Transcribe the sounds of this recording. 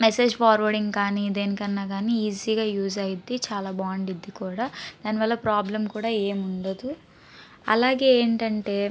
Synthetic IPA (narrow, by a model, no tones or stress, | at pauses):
mese̞ːd͡ʒpʰaːɾʋɐɾɖiŋɡkaːnid̪e̞ːnikɐnːaːɡaːniiːziːɡaːjuːzɐjid̪it͡ʃaːlaːbaːɳɖid̪ːikuːɽaːd̪aːniʋɐlːɐpɾaːblɐmkuːɽaːeːmuɳɖɐd̪u | ɐ̰laːɡe̞ːeːɳʈɐɳʈe̞ː